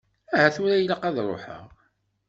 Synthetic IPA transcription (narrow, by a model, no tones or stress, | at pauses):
æhæθʊɾæjəlaqɑðɾˤo̰ħə̰ʁ